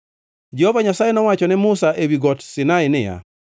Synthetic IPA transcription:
d͡ʒɛhovaɲasajɛnɔwat͡ʃɔnɛmʊsaʔewiɡɔtsɪnaɪnɪja̰

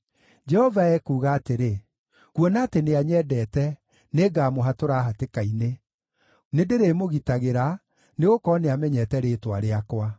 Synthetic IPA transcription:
d͡ʒɛhɔvaɛkuːɣaːteɾe | kwɔnaːteneaɲɛdɛtɛ | neːɡaːmoɦatoɾaɦatekaine | nedeɾeːmoɣitaɣeɾa | neɣokɔːneamɛɲɛtɛɾeːtwaɾeakwa

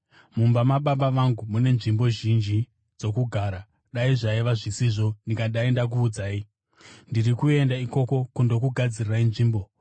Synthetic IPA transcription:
mumbamaɓaɓaʋaŋɡumune̞nʐimbo̞ʒind͡ʒi | d͡zo̞kuɡʱaːɾa | ɗaiʐaiʋaʐisiʐo̞ndikaɗaindak̬uːd͡zaːi | ndirikue̞ndaiko̞ko̞kundo̞kuɡʱad͡zirirainʐiːmbo̞

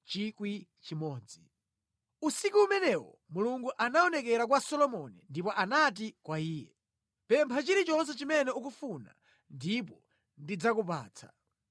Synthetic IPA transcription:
t͡ʃikwit͡ʃimɔːd͡zi | usikuumɛnɛwɔ̰ | muluŋɡuʔanaɔnɛkɛɾak̬wasɔlɔmɔnɛndipɔʔanat̬ikwaiːjɛ̰ | pɛmpʰat͡ʃiɾit͡ʃɔns̬ɛt͡ʃimɛnɛuk̬ufuna̰ | ndipɔ | ndid͡zakupa̰ːt͡sʰḁ̰

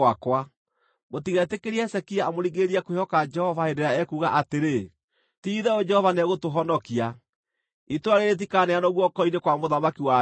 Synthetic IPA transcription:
akwa | motiɣɛtekeɾiaɛsɛkiaːmoɾiɡeɾiakoɔkad͡ʒɛhɔvaedeɾaɛkuːɣaʔateɾe | tiːðɛod͡ʒɛhɔvanɛɣotoɦɔnɔkia | itwaɾeɾet̬ikaːnɛanɔɣwɔkɔinekwamoðamakiwa

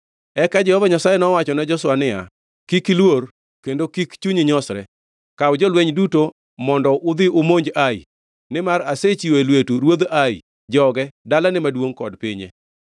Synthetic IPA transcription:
ɛkad͡ʒɛhɔvaɲasajɛnɔwat͡ʃɔnad͡ʒɔswanɪja̰ | kikilwor | kendokikt͡ʃuɲɪɲɔsɾɛ̰ | kaʊd͡ʒɔlweɲduto | mɔndɔʔʊd̪ɪʊmoɲd͡ʒaḭ | nɪmaɾaset͡ʃiwelwetuɾwod̪ai | d͡ʒɔɡɛdalanɪmadwoŋkɔdpɪɲḛ

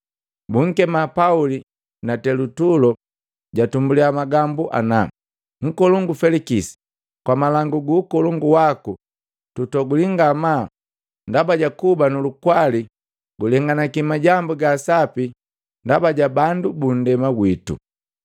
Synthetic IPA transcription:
buŋ̩kɛmapauli | natɛlutulɔ | ɟatumbuliamaɡambuʔa̰na | ŋ̩kɔluŋɡufɛlikisi̥ | kwamalaŋɡuɡuːkɔluŋɡuwaku | tutɔɡuliŋɡama | ndabaɟakubanulukwali | ɡulɛŋɡanakimaɟambuɡaːsapi | ndabaɟabandubun̩dɛmaɡwitṵ

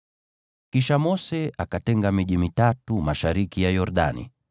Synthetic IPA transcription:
kiʃamɔsɛʔakatɛŋɡamiʄimitatumaʃaɾikijajɔɾɗa̰nḭ

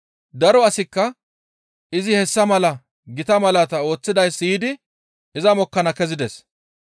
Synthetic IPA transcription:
d̪ɐɾɔɐsɪkːɐ | ɪzɪhɛsːɐmɐlɐ | ɡɪt̪ɐmɐlɐt̪ɐo̞ːt͡sːɪd̪ɐjsːiɪd̪ɪ | ɪzɐmɔkːɐnɐkɛzɪd̪ɛs

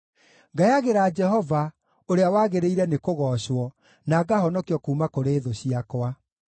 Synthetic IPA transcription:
ŋɡajaɣeɾaːd͡ʒɛɦɔva | oɾeawaːɣeɾeiɾɛnekoɣɔːɕwɔ | naːɡaɦɔnɔkiɔkuːmakoɾeːðoɕiakwa

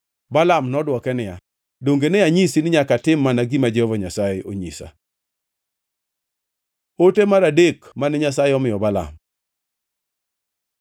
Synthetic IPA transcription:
balamnɔdwɔkɛnɪja | doŋɡenɛaɲisinɪɲakatɪmːanaɡimad͡ʒehɔvaɲasajɪʔoɲḭsa̰ | otemaɾadekmanɛɲasajɪɔmɪjɔbala̰m

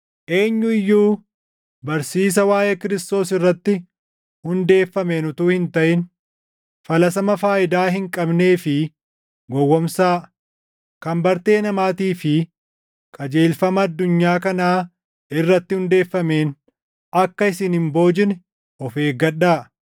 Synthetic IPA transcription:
ʔe̞ːɲːʊɪjːuː | bɐɾsiːs̬ɐwaːjʔekɪɾɪst̪o̞ːsɪrːɐt̪ːɪ | hʊnd̪e̞ːfːɐmeːnʊt̪uːhɪnt̪ɐʔɪn | fɐlɐsɐmɐfaːʔɪd̪aːɦɪŋkʼɐbne̞ːfɪ | ɡɔwːɔmsaː | kɐmbɐɾt̪e̞ːnɐmaːt̪iːfɪ | kʼɐd͡ʒe̞ːlfɐmɐːd̪ːʊɲːaːkɐnaː | ɪrːɐt̪ːɪhʊnd̪e̞ːfːɐme̞ːn | ɐkːɐɪsɪnhɪmbo̞ːd͡ʒɪn | ɔfe̞ːɡɐᶑːaː

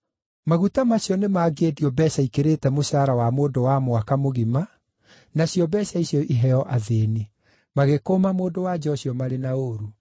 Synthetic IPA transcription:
maɣutamaɕjɔnemaɡediɔbɛɕaikeɾeːtɛmoɕaɾawamoːdowamwakamoɣima | naɕjɔbɛɕaiɕjɔʔiɦɛɔʔaðeːni | maɣekomamoːdowad͡ʑɔɕjɔmaɾenaoɾu

